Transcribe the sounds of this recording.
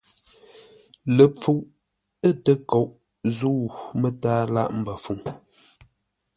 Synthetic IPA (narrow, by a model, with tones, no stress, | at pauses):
lə˨p͡fu˨ʔ | ə˦˨tə˦ko˨ʔ | zu˦˨mə˦taː˦la̰˦ʔm̩˨bə˨fu˨ŋ